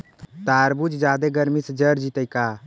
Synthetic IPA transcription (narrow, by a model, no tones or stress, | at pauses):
t̪aɾbud͡ʒd͡ʒad̪eɡəɾmisəd͡ʒəɾd͡ʒit̪əjka